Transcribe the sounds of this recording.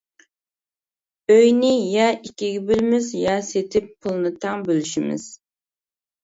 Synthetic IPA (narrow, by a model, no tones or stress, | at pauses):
øjnɪjɑikʲʰiɡʲibylmɪzjɑset̪ʰɪpːʰulˠnɨt̪ʰɑŋbølyʃimɪ̰z̥